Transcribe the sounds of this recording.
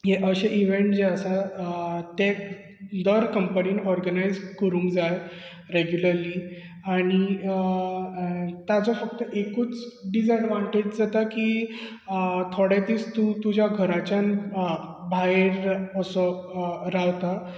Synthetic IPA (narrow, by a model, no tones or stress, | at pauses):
jeʔəɕeʔiʋeɳʈd͡ʑeəsa | t̪e | d̪əɾkəmpəliːnɔɾɡənajzkəɾũːŋkd͡zaj | ɾeɡjuləɾli | aɽ̃i | t̪jat͡safək̚t̪əʔekuːt͡sɖisəɖʋaɳʈed͡ʑd͡zat̪akiː | t̪ʰoɽjat̪iːt͡st̪ut̪ud͡ʑʱjaɡʱəɾat͡ɕjan | bʱaeɾəsəɾawt̪a